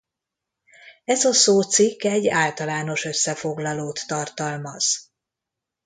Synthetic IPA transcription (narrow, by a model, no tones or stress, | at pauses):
ɛzɒsoːt̪sikːɛɟːaːlt̪ɒlaːno̞ʃø̞sːɛfo̞ɡlɒloːt̪ːɒrt̪ɒlmɒz̥